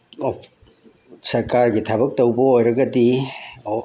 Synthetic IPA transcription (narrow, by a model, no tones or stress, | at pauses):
sɐɾkaɾɡitʰabɐk̚towbɐojɾɐɡɐdi